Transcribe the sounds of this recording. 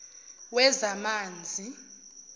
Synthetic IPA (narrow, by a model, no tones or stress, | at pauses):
wɛzamaːnd͡zʱi